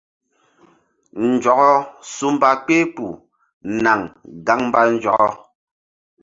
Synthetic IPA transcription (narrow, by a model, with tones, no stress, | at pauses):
n̩˨d͡ʒɔ˨ɣɔ˦su˦m˦ba˦k͡pe˦pu˨ | na˨ŋɡa˨˦ŋm̩˦ba˦n̩˨˦d͡ʒɔ̰˨kɔ˦